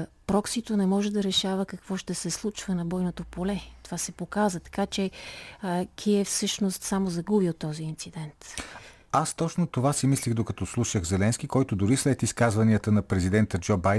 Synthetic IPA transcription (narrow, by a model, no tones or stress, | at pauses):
pɾɔksit̪onɛmɔʒɛd̪ɐɾɛʃavəkɐkvɔʃt̪ɛsɛslˠut͡ʃvənɐbɔjnot̪opolɛt̪ovasɛpokazvət̪ɐ̥kat͡ʃɛ | kʰiɛfsɤʃnost̪samozɐɡubiot̪ːɔziːnt̪sid̪ɛnt̪ | ast̪ɔt͡ʃnot̪ovasimislixd̪okɐt̪ɔslˠuʃəɣzɛlɛnsk̟ikɔjt̪od̪ʊɾislɛt̪iskazvɐniət̪ənɐpɾɛzid̪ɛnt̪əd͡ʒɔbajd̪